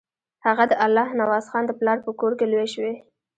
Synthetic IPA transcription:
haɣad̪əʔalːɑhnawɑzxɑnd̪əplɑɾpəkoɾkelweʃwe

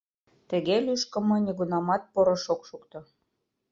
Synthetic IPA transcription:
t̪ə̆ɣelyʃkɤ̆mɤ̆nʲiɣunɑmɑt̪̚poɾɤ̆ʃokʃukt̪ŏ

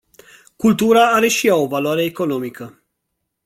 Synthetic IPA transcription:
kult̪uːɾaːreʃjɔwvaloːɾeːkonɔːmikʰə

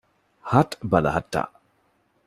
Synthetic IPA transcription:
hatʼbɐlɐhɐtːa̰

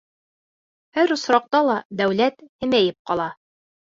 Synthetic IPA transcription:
hæɾŏsɾɑq̚t̪ɑlˠɑd̪æwlæt̪hɘ̆mæjɘp̚qɑlˠɑ

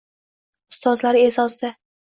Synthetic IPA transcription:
ʊ̥st̪ɒzlaɾesɒsd̪a

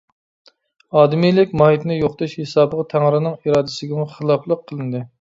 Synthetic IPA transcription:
ɑːd̪ɪmijlɪkʲmɑhit̪ʰɪnɪjoχt̪ɨʃhesɑːbəʁt̪ʰæŋɾɪnɨŋiɾɑːd̪ɪsɪɡʲɛmuχəlˠɑplˠəqʰːəlˠɨnd̪ɨ

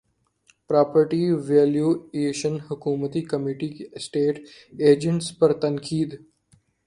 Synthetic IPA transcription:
pɾaːpəɾʈiʋeːljuːeːʃənhʊkuːmət̪ikɐmiːʈiksʈeːʈ | eːd͡ʒəɳʈspɐɾt̪ɐnkiːd̪

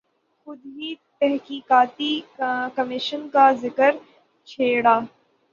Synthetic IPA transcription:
xʊd̪ɦit̪ɛɦkiːkaːt̪ikɐmɪʃənkazɪkəɾ | t͡ʃʰeːɽaː

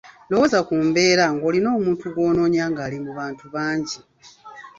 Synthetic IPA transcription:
lo̞wezakuːmbe̞ːɾaŋɡo̞ːlino̞ːmuːntʰuɡwo̞ːno̞ːɲaːŋɡaːlimuβaːntʰuβaːɲɟi

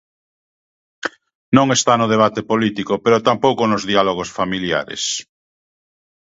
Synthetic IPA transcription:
nõŋest̪anʊð̞eβ̞at̪epolit̪ikopeɾot̪ampowkonozðialoɣ̞osfamilja̰ɾḛs

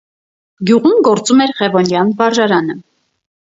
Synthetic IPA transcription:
ɡʲjuʁumɡɔɾt͡sumɛɾχɛvɔnjɑnvɑɾʒɑɾɑnə

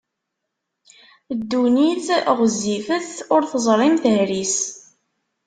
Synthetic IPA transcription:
d̪ːuniθʁəzːifəθʊɾθəzˤɾˤɪmθəhɾis

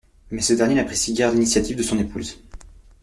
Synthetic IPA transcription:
mɛsəd̪ɛʁnjenapχesiɡʲɛʁlinisjat̪ivd̪əsɔ̃nepṵz

